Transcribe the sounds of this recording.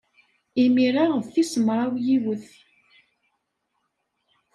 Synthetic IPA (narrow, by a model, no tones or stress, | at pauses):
imiɾaʁəðθisəmɾˤawjiwəθ